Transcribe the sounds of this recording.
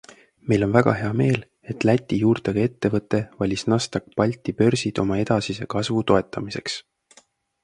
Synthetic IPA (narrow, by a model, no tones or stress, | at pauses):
mejlo̞nvæɡ̥ɑ̰ɦe̞ɑme̞ːl | e̞t̪ˑlæt̪ʲːˑijuːrt̪eɡ̥ɑe̞t̪ːe̞vɤt̪ːˑe̞vɑlʲisnɑst̪ɑk̚pɑlʲt̪ːˑipø̞rsid̪̥o̞mɑe̞d̪̥ɑsise̞kɑsvut̪o̞e̞t̪ːˑɑmise̞ks